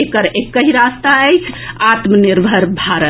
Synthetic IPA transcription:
ekəɾekːəɦiɾast̪aəjt͡ʃʰat̪məniɾbʱəɾbʱaɾə

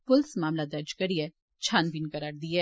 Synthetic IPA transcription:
pʊlsmaːmlad̪ɐɾd͡ʒkɐɾie | t͡ʃʰaːnpiːnkɐɾaːɾd̪iɛː

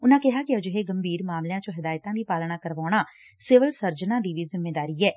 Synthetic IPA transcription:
ʊnãːkɪɦaːkiəd͡ʒɦeɡəmbʱiːɾmaːmlejãːt͡ʃõɦɪd̪aːjt̪ãd̪iːpaːlñaːkəɾʋaːɽ̃aː | sɪʋəlsəɾd͡ʒnãːd̪iʋiːzɪmːeːd̪aːɾiːɦɛː

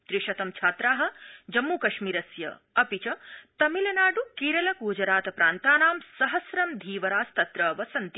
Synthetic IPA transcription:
t̪ɾiʃɐt̪ɐmt͡ʃʰaːt̪ɾaːɦɐ̆d͡ʒɐmːuːkɐʃmiːɾɐsjɐ̰ | ɐpit͡ʃɐt̪ɐmilɐnaːɖukiːɾɐlɐkuːd͡ʒɐɾaːt̪ɐpɾaːnt̪aːnaːmsɐɦɐsɾɐmd̪ʱiːʋɐɾaːst̪ɐt̪ɾɐːʋɐsɐnt̪i

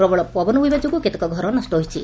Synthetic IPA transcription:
ɾɔbɔɭɔpɔbɔnubibad͡ʒɔkuket̪ekɔɡʱɔɾɔnɔsʈɔɦojt͡ʃʰi

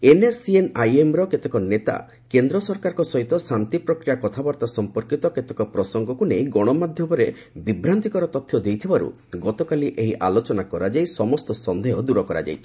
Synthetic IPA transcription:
enesienajemɾɔket̪ekɔnet̪a̰ | kend̪ɾɔsɔɾkaɾɔkɔsɔɦit̪ɔsant̪ipɾɔkɾijakɔt̪ʰabaɾt̪asɔmpɔɾkit̪ɔket̪ekɔpɾɔsɔŋɡɔkunejɡɔɽ̃ɔmad̪ʱjɔmɔɾe | bibɾant̪ikɔɾɔt̪ɔt̪ʰjɔd̪ejt̪ʰibaɾṵ | ɡɔt̪ɔkaliʔeɦiʔalot͡ʃɔnakɔɾad͡ʒajsɔmɔst̪ɔsɔnd̪eɦɔd̪uɾɔkɔɾa̰d͡ʒa̰jt͡ʃʰi̥

